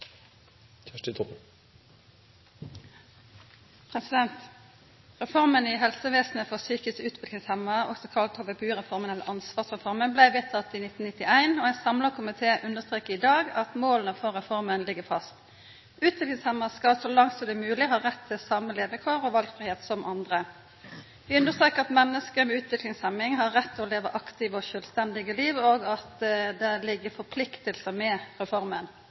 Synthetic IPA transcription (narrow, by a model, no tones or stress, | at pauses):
t̪ʰæʈət̪ʰɔp | pʰʁɛsɪd̪ɛnt̪ | ʁɛfɔʁməniɦɛlsəʋeːsn̩əfɔʁsyːkəsʉːt̪ʰʋɪlkɪŋshɛmːɑɔ̰ksɔkʰɑlt̪oːʋəbʉːʁɛfɔʁmənɛlə̰ʁʔɑnsʋɑːʁsʁɛfɔʁmənblæɪʋeːt̪ʰɑt̪ːiːnɪt̪n̩nɪt̪ɪæɪnoːæɪnsɑmləʁkʰʊmɪt̪ʰeːʔʉnd̪əʁst̪ʁeːkːɪd̪ɑːɡɑt̪moːlənəfɔʁʁɛfɔʁmənlɪɡəfɑst̪ | ʔʉːt̪ʋɪklɪŋshɛməskɑsɔlɑŋt̪sɔd̪ɛmʉːlɪhɑːɾɛt̪ʰːɪlsɑmːəleːʋəkʰoːʁɔʋɑlɡfɾɪheːt̪sɔmʔɑnd̪ʁə | ʋɪʉnd̪əst̪ɾeːkəɑt̪mɛnːəskəmɛʉːt̪ʰʋɪklɪŋshɛmːɪŋɦɑɾɛt̪ʰːɪɔleːʋəʔɑkt̪ɪʋɔʃœlst̪ɛnd̪ɪɡəliːʋoːɡɑt̪d̪ɛlɪɡːəɾfɔpʰlɪkt̪əlsəmɛʁɛfɔɾmən